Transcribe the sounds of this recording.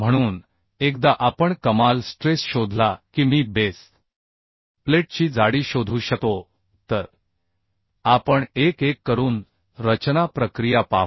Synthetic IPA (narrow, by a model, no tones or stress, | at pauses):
m̤əɽ̃uːn | ek̚d̪aʔapəɳkəmalsʈɾesɕod̪ʱlakiːmiːbes | fleʈ̚t͡ɕiːd͡zaɽiːɕod̪ʱuːɕəko | t̪əɾ | apəɳekekːəɾuːn | ɾət͡ɕnapɾəkɾijapa̰